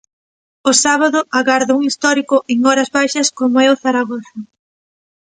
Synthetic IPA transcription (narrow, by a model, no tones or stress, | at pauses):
ʊsaβ̞aðʊaɣaɾðouŋist̪ɔɾikʊʔeŋɔɾɐzβajʃɐskomoɛʊθaɾaɣɔθɐ